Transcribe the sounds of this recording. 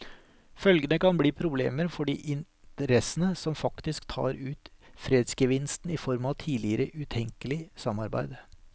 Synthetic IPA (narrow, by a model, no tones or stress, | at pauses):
fœlɡənəkɑnbliːpʰɾʊbleːməɾfɔɖḭːʔɪn | t̪əɾɛsənəsɔmfɑkt̪ɪskt̪ʰɑ̰ːɾʉːt̪fɾeːd̪sɡəʋɪnst̪n̩ɪfɔɾmɑʋt̪ʰiːlɪəɾəʔʉt̪ʰɛŋkəlɪsɑmɑɾbæ̰ɪd̪